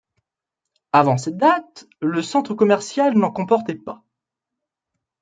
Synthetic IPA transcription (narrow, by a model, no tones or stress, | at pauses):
avɑ̃sɛt̪̚d̪at̪ | ləsɑ̃t̪χəkɔmɛʁsjalnɑ̃kɔ̃pɔʁt̪ɛpa